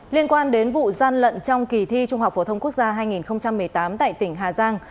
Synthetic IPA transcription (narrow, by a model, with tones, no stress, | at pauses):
li˧ənkwaː˧nɗe˨˦nvṵ˧˨zaː˧nlə̰˧˨nt͡ɕɔ˧wŋ͡mki˨˩t̪ʰi˧t͡ɕʊ˧ŋ͡mha˨˩k͡p̚fo˧˩t̪ə˧wŋ͡mku˦˥ək̚zaː˧ɦaː˧jŋi˨˩nxə˧wŋ͡mt͡ɕa˧mːɨ˨˩əjt̪aː˨˦mt̪a̰ː˧˨jt̪ï˧˩ŋ̟ɦaː˨˩zaː˧ŋ